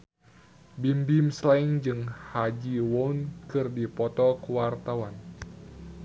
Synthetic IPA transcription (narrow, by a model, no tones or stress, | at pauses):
bimbimslaiŋd͡ʒɨŋhad͡ʒiwɔunkɨrdipɔt̪ɔkuwart̪awan